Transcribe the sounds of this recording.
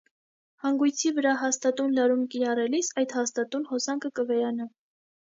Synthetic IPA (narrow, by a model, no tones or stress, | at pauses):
hɑŋɡujt͡sʰivəɾɑɦɑst̪ɑt̪unlɑɾumkiɾɑrɛlisɑjd̪hɑst̪ɑt̪unhɔsɑŋkʰəkəvɛɾɑnɑ